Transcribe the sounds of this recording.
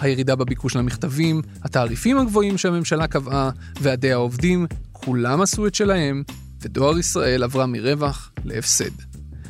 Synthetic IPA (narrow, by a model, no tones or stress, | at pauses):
hajeʁidabebikuʃlamiχt̪avim | hataːʁifimhaɡvo̞imʃeame̞mʃalakava | veade̞jhao̞vdimkʰulamasuetʃe̞lahe̞m | vedo̞aʁisʁae̞lavʁamiʁe̞vaχ | le̞̰efse̞̰d